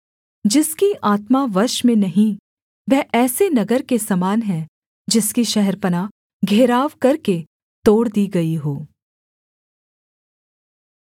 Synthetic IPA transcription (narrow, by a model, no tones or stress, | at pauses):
d͡ʒɪskiʔaːt̪maʋɐɾʃmẽnɐɦĩ | ʋɛːʔɛːsenɐɡəɾkesɐmaːnɦɛ̃ | d͡ʒɪskiʃɛɦɛɾpɐnaː | ɡʱeːɾaːʋkɐɾke | t̪oːɽd̪iːɡɐiɦoː